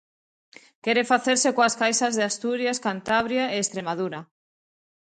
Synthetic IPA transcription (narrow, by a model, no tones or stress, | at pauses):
kɛɾefaθeɾsekoaskajsazðeast̪uɾjaskant̪aβɾjaeːst̪ɾemaðuɾa